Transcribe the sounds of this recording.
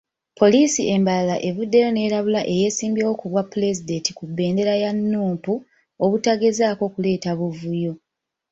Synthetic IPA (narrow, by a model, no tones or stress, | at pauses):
pʰo̞liːsiʔe̞mbalalaʔe̞βudːe̞jo̞ne̞ːɾaβulaʔe̞je̞ːsiːmbjawokuβwapːule̞zide̞ntikubːe̞ːnde̞ɾajanːuːmpu | oβutaɡe̞zaːko̞kule̞ːtaβuvujo̞